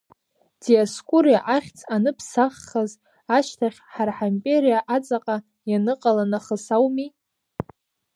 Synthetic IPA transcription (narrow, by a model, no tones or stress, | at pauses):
d̥ijaskʷʼurijaʔaχʲt͡sʰʼanɨpʰsaχːaz | aʃtʰaχʲħarħampʲʼeɾijaʔat͡sʼaqʼa | janɨqʼalanaχəsawmi